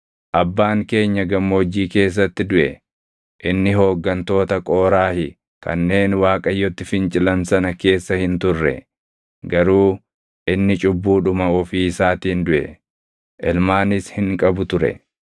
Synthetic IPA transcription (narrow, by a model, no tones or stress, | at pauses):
ʔɐbːaːŋke̞ːɲːɐɡɐmːoːd͡ʒːiːke̞ːs̬ːɐt̪ːɪd̪ʊʔɛ | ʔɪnːɪɦo̞ːɡːɐnt̪o̞ːt̪ɐkʼoːɾaːhɪ | kʰɐ̰nːe̞ːnwaːkʼɐjːɔt̪ːɪfɪnt͡ʃʼɪlɐnsɐnɐke̞ːsːɐhɪnt̪ʊrːɛ̰ | ɡɐɾuː | ʔɪnːɪt͡ʃʼʊbːuːᶑʊmɐɔfiːsaːt̪iːnd̪ʊʔɛ̰ | ʔɛlmaːnɪshɪŋkʼɐbʊt̪ʊɾɛ̰